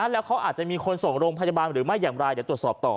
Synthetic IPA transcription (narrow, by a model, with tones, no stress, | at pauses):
ʔa˧˥lɛː˦˥wkʰa˦˥wʔaː˨˩t͡ɕa˨˩ʔmiː˧kʰo˧nso˨˩ŋɾoː˧ŋpʰa˧ja˧aː˧nɾɯː˩˦ma˥˩jːaː˨˩ŋɾa˧jdiː˨˦t̪u˨˩ət̪sɔː˨˩p̚t̪ɔː˨˩